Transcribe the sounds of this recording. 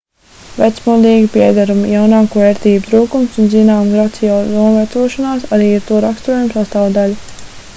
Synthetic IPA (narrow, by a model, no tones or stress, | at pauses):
vɛ̰t̪smud̪iːɡipiɛd̪aɾumijawnaːkuvɛːɾt̪iːbut̪ɾuːkumsunzinaːmɡɾat̪sijɔːlnuɔvæt̪suɔʃɔnaːsaɾiːiɾt̪uɔɾakst̪uɔjumsast̪aːwd̪alʲ